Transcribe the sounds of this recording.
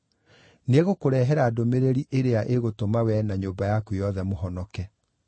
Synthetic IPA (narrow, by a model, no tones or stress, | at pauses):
neɣokoɾɛːɦɛɾaːdomeɾeɾiʔeɾeaʔeɣotomawɛnaɲoːbajakujɔðɛmoɦɔnɔkɛ